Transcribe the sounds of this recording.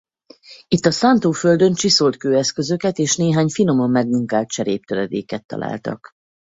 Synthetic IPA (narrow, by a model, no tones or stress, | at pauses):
it̪ːɒsant̪oːføld̪ø̞nt͡ʃiso̞lt̪køːɛskø̞zø̞kɛt̪eːʃneːɦaːɲfino̞mo̞mːɛɡmuŋkaːlt̪t͡ʃɛɾeːp̚t̪øɾɛd̪ḛːkɛt̪ːɒ̰lʔa̰ːlt̪ɒ̰k